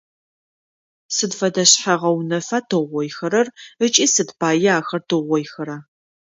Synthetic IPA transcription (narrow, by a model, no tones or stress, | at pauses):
sɨdfɐdɐɕħaʁɐwnɐfaːtʰɨʁʷɔjxɐɾɐrət͡ʃʼiːsɨdpʰaːjɪaːxɐrtʰɨʁʷɔjxɐɾɐ